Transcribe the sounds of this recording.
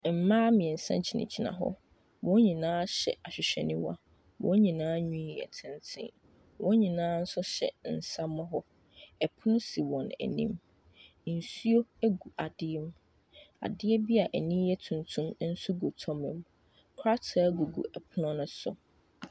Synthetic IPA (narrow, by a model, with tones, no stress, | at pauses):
m̩˨mãː˦mĩ˨ɛ˨n̩˨sã̰˦nt͡ɕʰi˨nɪ̰̃˨t͡ɕʰi˨nã̰˨ɦɔ̰˦ | wɔ̃˦ɲĩ˨nãː˦ɕɛ̰˨ʔa˨ɕᶣɪ˨ɕᶣɛ˨nɪ̃˦wa̰˦ | wɔ̰̃˦ɲĩ˨nãː˦ɲũ˦i˨ɛ̰˨tʰɪ̃˦ntʰɪ̰̃˦ | wɔ̃˦ɲĩ˨nãː˦n̩˦sʊ˦ɕɛ̰˨n̩˨sa˦mʊ̃˦ɦɔ˦ | ɛ˨pʰʊ˦nʊ̃˦si˨wɔ̃˨næ̰˨nḭ̃˦m | n̩˨su˦o˦æ˦ɡu˨ʔa˨dɪ˦ɛ˦m˦ | a̰˨dɪ˦ɛ˦bi˦a˨ʔɛ˨nĩ˦jɛ˦tʰũ˨ntʰũ˦m˦n̩˦su˦ɡo˨tʰɔ˦mɪ̰̃˨m | kʰɾa˦tʰa˨˦ɡu˨ɡṵ˨ʔɛ˨pʰʊ˦nʊ̃˦nʊ̃˦sʊ̰˨